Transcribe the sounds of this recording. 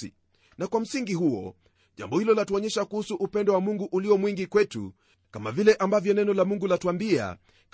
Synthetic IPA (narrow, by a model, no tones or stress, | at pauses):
ḭ | nakwam̩siŋɡiɦuɔ̰ | ʄa̰mbɔhilɔlatuɔɲɛʃakuhusuʔupɛndɔwamuŋɡuʔuliɔmwiŋɡikwɛtṵ | kamavilɛʔambavjɔnɛnɔlamuŋɡulatuambia̰ | k